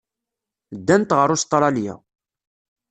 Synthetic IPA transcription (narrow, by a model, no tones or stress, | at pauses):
d̪ːænt̪ʁəɾˤʊst̪ˤːɾˤɑljæ̰